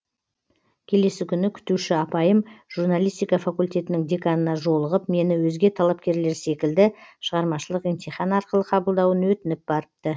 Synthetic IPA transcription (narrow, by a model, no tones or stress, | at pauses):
kʲʰe̞le̞sɪkʲʰʏnɪkʲʰʏ̥t̪uʃɪɑpɑjəmʒ̥uɾnalˠijst̪ijkɑfakulʲt̪ʲe̞t̪ɪnɪŋd̪e̞kanənɑʒo̞lˠəʁəp̚me̞nɪwɵzɡʲe̞t̪ʰɑlˠɑp̚kʲe̞ɾle̞ɾse̞kʲɪld̪ɪʃəʁɑɾmɑʃəlˠəqent̪ʲijχɑnɑɾqəlˠəqʰɑbəlˠd̪ɑwənwɵt̪ɪnɪp̚bɑɾəp̚t̪ə